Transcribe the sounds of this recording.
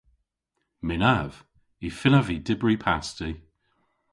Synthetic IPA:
mɪnav̥ | ifɪləvidɪbɹipʰasti

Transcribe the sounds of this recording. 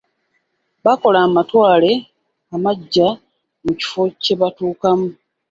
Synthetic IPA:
βako̞laːmatwaːle̞ | amaɟːa | muci̥fo̞ce̞βatuːkamu

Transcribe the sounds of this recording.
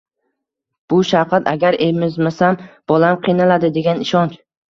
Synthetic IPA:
b̥ʊʃawqʰat̪ʰaɡʲaɾemɪzmasamb̥ɒlamqʰijnalad̪ɪd̪e̞ɡʲanɪʃɒnt͡ʃ

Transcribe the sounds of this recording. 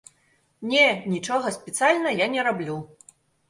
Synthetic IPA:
nʲɛnʲit͡ʂɔɣɐsʲpʲɛt̪sɨjalʲnɐjanʲɛɾablʲu

